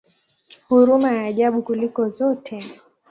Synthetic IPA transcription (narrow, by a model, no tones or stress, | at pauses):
huɾumajaːʄaɓukulikɔzɔtʰɛ